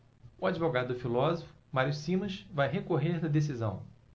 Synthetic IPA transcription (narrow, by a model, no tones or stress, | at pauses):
ʊad͡ʒivoɡad̪ʊd̪ʊfilɔzofʊ̥maɾijʊsĩmɐʃvajɦekoɦeɾd̪ɐd̪es̬izɐ̰̃w̃